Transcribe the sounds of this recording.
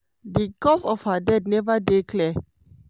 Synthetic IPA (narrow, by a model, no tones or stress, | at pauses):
dikɔsɔfhadɛdnɛvədekʰlɛ